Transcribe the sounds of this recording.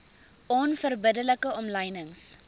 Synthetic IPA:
ɔnfərbədələkəɔmləjnəŋs

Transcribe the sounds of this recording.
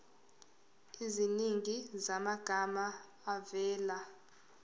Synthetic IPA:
iziniŋizamaɡ̥ʱamaː | vɛːla

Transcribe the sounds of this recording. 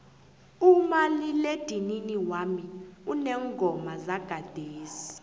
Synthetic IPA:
umaliled̥ʱininiwamiunɛŋɡʱɔmazaɡ̥ʱad̥ʱeːsi̥

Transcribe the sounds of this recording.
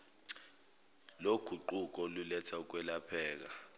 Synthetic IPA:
loɡ̥ʱuǃuk̬ʼɔlulɛtʰauk̬wɛlapʰɛːk̬a

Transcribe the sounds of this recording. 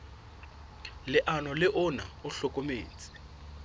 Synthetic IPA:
lɪʔanɔlɪʔʊna̰ʊɬɔkʼomeːt͡sʼi̥

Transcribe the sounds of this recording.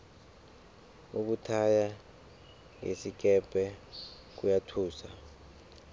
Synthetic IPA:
ok̬utʰaja | ŋḛsik̬ɛpʼɛ | k̬ujatʰuːsa

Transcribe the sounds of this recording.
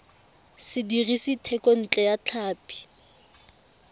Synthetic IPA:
sɪdirisitʰɛkʼɔn̩t͡ɬʼɛjat͡ɬʰaːpʼi̥

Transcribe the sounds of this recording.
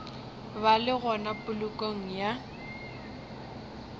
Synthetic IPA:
balɪɣɔnapʼʊlʊkʼoŋ̩ja

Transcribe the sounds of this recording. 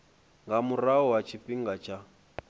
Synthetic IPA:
ŋɡamuraɔwat͡ʃʰipiŋɡat͡ʃʰa

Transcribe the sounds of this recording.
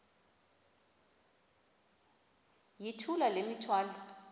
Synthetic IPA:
jitʰulalemitʰwaːla

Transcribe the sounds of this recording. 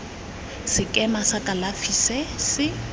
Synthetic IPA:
sɪkʼɛmasakʼalafisɛsɪ

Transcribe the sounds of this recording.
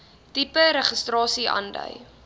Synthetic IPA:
tipəɾəχəstrɑːsiʔɑ̰ndə̰j

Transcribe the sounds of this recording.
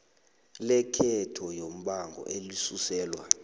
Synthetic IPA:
lɛkʰɛtʰɔjom̩ɓaŋɡʱɔ̰ʔelisusɛːlwa̰

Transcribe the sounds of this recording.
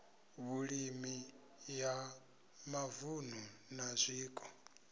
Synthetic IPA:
βuɺimi | ja | mavun̤unazʷiːkʼɔ̥

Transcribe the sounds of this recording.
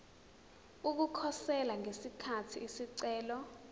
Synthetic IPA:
uk̬ukʰɔsɛlaŋesikʰatʰḭːsiǀɛːlɔ

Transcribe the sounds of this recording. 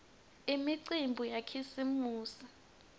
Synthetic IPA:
imiǀimbʱujakʰisimuːsi

